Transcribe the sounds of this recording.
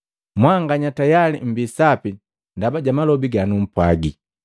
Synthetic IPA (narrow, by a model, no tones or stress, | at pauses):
mwaŋɡaɲatajalim̩bisapi | ndabaɟamalɔbiɡanum̩pwaɡi